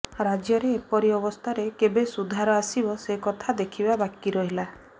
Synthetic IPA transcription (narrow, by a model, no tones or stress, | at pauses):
ɾad͡ʒjɔɾeːpɔɾiɔbɔst̪ʰaɾekebesud̪ʱaɾɔasibɔsekɔt̪ʰad̪ekʰibabakiɾɔɦila